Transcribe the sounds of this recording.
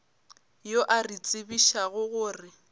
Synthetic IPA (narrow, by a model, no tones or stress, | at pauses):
joʔarit͡sʼɪbiʃaɣʊɣʊːrɪ